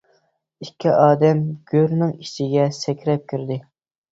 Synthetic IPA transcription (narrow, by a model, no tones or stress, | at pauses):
ikʲʰːiʔɑːd̪ɛmɡ̥ʲøɾnɪŋiʃɪɡʲɛsɛkʲʰɾɛp̚kʲʰyɾd̪ɪ